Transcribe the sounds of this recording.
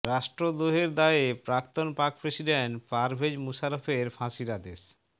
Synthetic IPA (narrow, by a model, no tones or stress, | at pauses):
ɾaʃʈɾod̪oɦeɾd̪aepɾakt̪onpakpɾesiɖeɳʈpaɾbʱed͡ʑmusaɾofeɾfʰãʃiɾad̪es